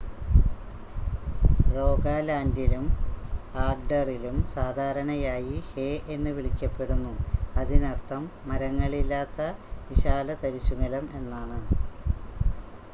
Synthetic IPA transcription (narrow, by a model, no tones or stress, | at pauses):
ro̞ːɡaːlaːndilum | aːrɖɐrilumsaːd̪ʱaːɾɐɳɐjaːjiheʔe̞nːɨʋiɭikʲːɐpːe̞ɽunːuɐðinɐrt̪ʰːɐmːɐɾɐŋːɐɭilːaːt̪ːɐʋiɕaːlɐt̪ɐɾisuŋɐlɐme̞nːaːɳɨ